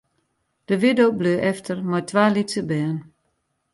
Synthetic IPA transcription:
d̥əʋɪdowbløːʔɛftʰərmɔjtʋaːlitsəbɛːn

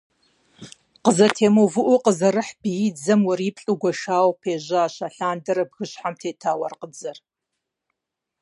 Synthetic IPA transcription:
qəzɐtʰeːmovɨʔʷʊqəzɐɾɨħbijɪd͡zɐmwɐɾipʰɬʼuɡʷɐʃaːwpʰeːʑaaːɕaɬaːndɐɾɐbɣɨɕħamtʰeːtʰaːwɐrqəd͡zɐr

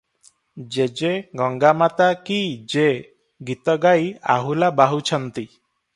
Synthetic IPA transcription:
d͡ʒed͡ʒeɡɔŋɡamat̪akid͡ʒe | ɡit̪ɔɡaja̰ɦulabaɦut͡ʃʰɔnt̪i

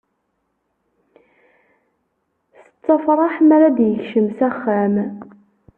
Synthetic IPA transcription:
θə̥t͡sˤːɑfɾˤɑħmæɾad̪jəçʃəmsæχːæm

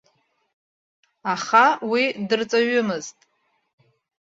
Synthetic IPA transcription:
aχawidɨrt͡sʼaɥʏmɨztʼ

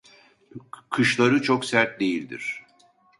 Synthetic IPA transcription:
kʰɯʃlˠaɾɯt͡ʃʰoksæɾt̪̚d̪e̞jilʲd̪ḭɾ̥

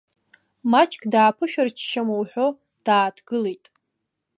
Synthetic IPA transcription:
mat͡ʃʼkʼdaːpʰɨʃᶣart͡ʃʰʃamowħʷᶣo | d̥aːtʰɡ̥ɨlejtʼ

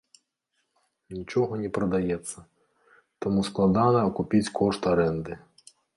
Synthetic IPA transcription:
nʲit͡ʃɔɦɔnʲipɾɔd̪ɐjɛt̪sʲːɐ | t̪ɔmusklˠɐd̪ɑnɛɔkʊpʲit͡sʲkʰɔʃt̪ɐɾɛnd̪ɪ

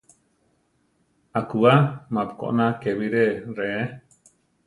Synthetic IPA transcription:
akuamãpko̰ʔnãkeβiɾeree

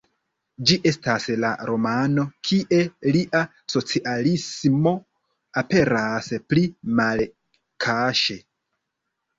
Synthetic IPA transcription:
d͡ʒiʔe̞stasla̰ɾo̞mano̞kʰiʔe̞liʔa | so̞t͡siʔalismo̞ | ape̞ɾasplimal | kʰaʃe̞

